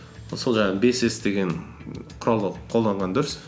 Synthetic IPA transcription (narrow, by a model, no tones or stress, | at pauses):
solˠʒɑɴbe̞sesd̪e̞ɡʲe̞nqʰʊɾɑlˠd̪əqʰo̞lˠd̪ɑɴʁɑnd̪ʏɾʏs